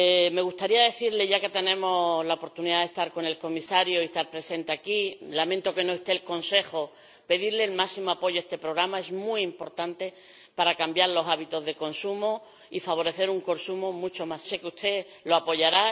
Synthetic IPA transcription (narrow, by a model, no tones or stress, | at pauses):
me̞ɣust̪aɾiaðe̞θiɾle̞ʝake̞t̪e̞nẽ̞mo̞laopoɾt̪uniðaðest̪aɾko̞ne̞lko̞misaɾjoist̪aɾpɾe̞se̞nt̪e̞akilament̪o̞ke̞noest̪e̞ːlko̞nse̞xo | pe̞ðiɾleːlmasimoapo̞ʝoe̞st̪e̞pɾo̞ɣ̞ɾamae̞smwuimpo̞ɾt̪ant̪e̞ | paɾakambjaɾlo̞saβit̪o̞zðe̞ko̞nsumo | ifaβ̞o̞ɾe̞θe̞ɾuŋko̞nsumomut͡ʃo̞masse̞keust̪ʰe̞ | lo̞apo̞ʝaɾa